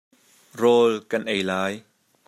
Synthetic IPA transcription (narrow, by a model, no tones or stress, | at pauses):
rɔːlkɐnʔejlaːj